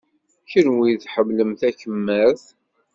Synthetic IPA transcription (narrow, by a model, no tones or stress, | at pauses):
çəɾwiθħəmləmθæçəmːæθ